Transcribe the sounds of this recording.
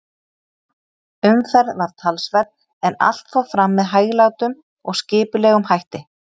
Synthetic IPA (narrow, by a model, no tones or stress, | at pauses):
ʏmfɛɾðvaɾ̥t̪ʰalsvɛɾ | ɛna̰l̥t̪fɔwfɾamːɛðɦaːjɣlaːwt̪ʏm | ɔɣscɪːpʏlɛːɣʏmhajht̪ɪ